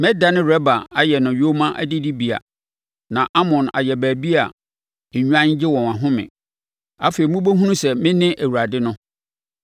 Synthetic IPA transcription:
mɛ˦da˨nɪ̃˦ɾɛ˦ba˨a˦jɛ˨nʊ̃˨jo˦mã˦ʔæ˦dɪ˦di˦bi˨a̰˨ | nã˨ʔa˦mɔ̃˨na̰˨jɛ˨bæː˨bi˦a̰˨ | ɲᶣu˦ã˦ɲ˦d͡ʑɪ˦wɔ̃˨n˨ã˨ɦʊ̃˦mɪ̰̃˨ | a˦fe˨i˨mũ˦bo˦ɦũ˦nũ˦sɛ˨mɪ̃˦nɪ̃˦ʔæ˨wu˨ɾa˨dɪ˦nʊ̃˦

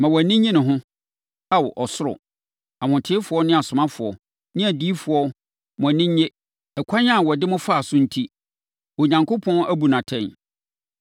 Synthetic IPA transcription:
mã˨wɔ˨nɪ̃˦ɲĩ˦nʊ̃˨ɦʊ̃˦ | a˦wɔ˨ʔɔ˨sʊ˦ɾɔ̰˨ | a˨mʊ̃˨tʰɪ˦fʊ˨ɔ˦nɪ̃˦a˨sʊ̃˨mã˦fʊ˨ɔ˨ | nɪ̃˦a˨diː˦fʊ˨ɔ˦ | mʊ̃˨æ˨nɪ̃˦ɲ˦ɲe˦ | ɛ˨kʷʰa˦ɲ˦ã˦˨wɔ˨dɪ˦mʊ̃˦faː˦˨sʊ̃˦n̩˦tʰi˦ | ɔ˨ɲã˨ŋko˦pʰɔ̃˦næ˦bu˨nã˨tʰɛ̃˦˨n

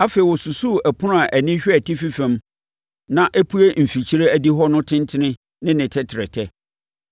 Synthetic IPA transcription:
a˦fe˨i˨wɔ˨su˨su˦˨æ˨pʰʊ˦nʊ̃˦a˨ʔæ˨nɪ̃˦ɕᶣæ˨tʰi˦fi˦fɛ̃˨m | nã˦ʔæ˦pʰu˦e˦m̩˨fi˨t͡ɕʰi˦ɾe˦æ˦di˦ɦɔ˦nʊ̃˦tʰɪ̃˦ntʰɪ˦nɪ̃˦ | nɪ̃˦nɪ̃˨tʰɛ˦tʰɪ˨ɾɛ˨tʰɛ˦

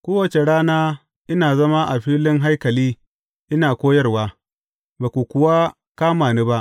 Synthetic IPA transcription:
kʷoː˦wɐ˨t͡ʃe˨ɽaː˦naː˦ | ʔɪ˦naː˨zɐ˦ma˦ʔa˨ɸiː˦lɪ˦ŋɦa˦jkɐ˨liː˦ | ʔɪ˦naː˨kʷoː˦jɐ˦rwaː˦ | baː˨kʷu˨kʷʊ˨wa˦ | kaː˦maː˨ni˦ba˦ʔ

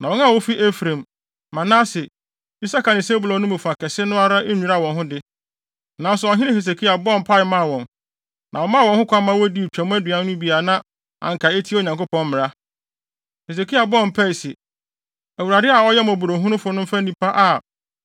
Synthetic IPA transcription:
nã˨wɔ˦nã˦˨wo˦fi˦ʔe˦fɾẽ˨m | mã˨nã˦sɪ˨ | i˦sa˦ka˨nɪ̃˨se˦bʊ˨lɔ̃˨˦nʊ̃˦mɛ̃˨fu˨a˨kʰɛ˨sɪ˦nʊ̃˦a˦ɾa˦ʔe˦ɲᶣũ˨ɾa˨wɔ̃˨nɦʊ̃˦dɪ˦ | nã˨n˦sʊ˨ɔ˨ɦɪ̃˦ɾɪ̃˦he˨s̬e˨kʰi˦a˨bɔ˦˨pʰa˦ɪ˨mã˦˨wɔ̃˨n | nʔã˨wɔ˨mã˦wɔ̃˨nhʊ̃˦kʷʰa˦mã˦wo˦di˦˨t͡ɕᶣɛ˨m˦æ˦dɥã˨˦nʊ̃˦bi˨a˨nã˦ | ã̰˨ŋ̩˨kʰa˨e˦tʰi˦o˨ɲã˨ŋko˦pɔ̃˦m˦mɪ̃˨ɾa˦ | he˨s̬e˨kʰi˦a˨bɔ˦˨m˨pʰæ˦i˨si˨ | æ˨wu˨ɾa˨dɪ˦a˨ɔ˦jɛ˦m˨a˨bu˨ɾo˨ɦũ˦ʊ̃˦fʊ˨˦nʊ̃˦m̩˦fã˦nĩ˦pʰa˦ʔa˨

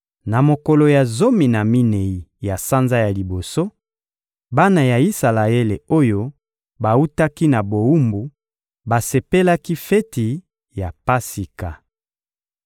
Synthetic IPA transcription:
na˨mo˨ko˨lo˨ja˨zo˦mi˨na˨mi˦ne˨i˨ja˨sa˦nza˦ja˨li˨bo˨so˦ | ba˦na˨ja˨i˦sa˨la˨e˦le˨o˦jo˦ | ba˨u˦ta˦ki˦na˨bo˨u˦mbu˨ | ba˨se˨pe˦la˦ki˦fɛ˦ti˨ | ja˨pa˦si˨ka˨

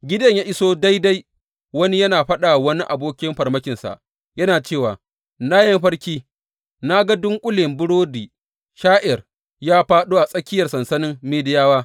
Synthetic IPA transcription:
ɡʲɪ˦dɐ˨ɲjaː˦ʔɪ˦soː˦da˦jda˦j | wɐ˦ni˦jɐ˦naː˨ɸɐ˦ɗa˨wɐ˦ni˦ʔa˨boː˦kʲɪ˦mɸɐ˨rmɐ˦kʲɪ˨nsa̰˨ʔ | jɐ˦naː˨t͡ʃeː˦˨waː˨ | naː˦jɐ˦mɸɐ˦ɽkʲiː˦ | na˦ɡa˦dʊ˦ŋkʷʼʊ˦lɪ˨mbʊ˦ɽoː˦diː˨ | ʃaː˦ʔɪ˨r | jaː˦ɸaː˦ɗuː˦ʔa˨sʼɐ˦kʲɪ˦jɐ˨rsɐ˨nsɐ˦nɪ˦mːeː˦dɪ˦jaː˦waː˦

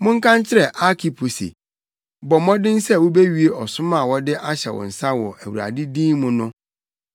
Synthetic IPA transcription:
mʊ̃˦ŋ̩˦kʰã˦nt͡ɕʰɪ˦ɾɛ˨ʔa˦kʰi˨pʰu˨sḛ˨ | bɔ˨mɔ̃˦dɪ̃˦n̩˦sɛ˦˨wʊ˦be˦ɥi˨˦e˦ɔ˨sʊ̃˦ma˨wɔ˦dɪ˦ʔa˦ɕɛ̰˨wɔ̰˨n̩˨sa˦wɔ˨ʔæ˨wu˨ɾa̰˨dɪ˦dĩː˦mʊ̃˦nʊ̃˦

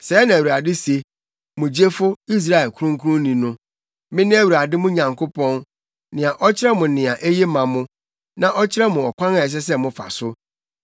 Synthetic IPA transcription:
sɛː˨˦nã˨u˨a˨dɪ˦se˨ | mʊ̃˨d͡ʑe˦fʊ˦i˦s̬ɾa˦ɛ˨lkʰu˦ɾʊ̃˦ŋ˦kʰu˦ʊ̃˦nĩ˨nʊ̃˦ | mɪ̃˦nɪ̃˦æ˦wu˨ɾa˨dɪ˦mʊ̃˦ɲã˨ŋkʰo˦pɔ̃˦n | nɪ̃˨a˨ʔɔ˦t͡ɕʰɪ˦ɾɛ˦mʊ̃˨nɪ̃˨ã˨ʔe˦je˦mã˨mʊ̃˦ | nã˨ʔɔ˦t͡ɕʰɪ˦ɾɛ˦mʊ̃˨ɔ˨kʰʷã˦na˨ɛ˨s̬ɛ˦s̬ɛ˦mʊ̃˨fa̰˨sʊ˦

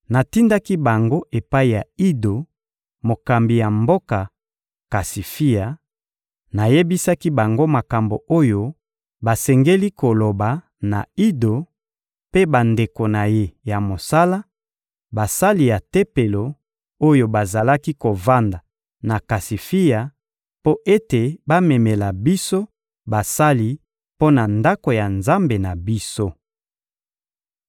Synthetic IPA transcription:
na˨ti˦nda˦ki˦ba˨ŋɡo˦ʔe˨pa˦i˨ja˨i˦do˨ | mo˨ka˨mbi˨ja˨mbo˦ka˨ | ka˨si˨fi˦ja˨ | na˨je˦bi˦sa˦ki˦ba˨ŋɡo˦ma˨ka˨mbo˨o˦jo˦ | ba˨sɛ˨ŋɡe˦li˦ko˨lo˨ba˨ | na̰˨i˦do˨ | pe˦ba˨nde˨ko˨na˨je˦ja˨mo˨sa˦la˦ | ba˨sa˦li˨ja˨te˦pe˨lo˨ | o˦jo˨ba˨za˨la˦ki˦ko˨va˦nda˨ | na˨ka˨si˨fi˦ja˨ | po˦ʔe˦te˨ba˦me˨me˨la˨bi˦so˦ | ba˨sa˦li˦ | po˦na˨nda˦ko˨ja˨nza˦mbe˨na˨bi˦so˦

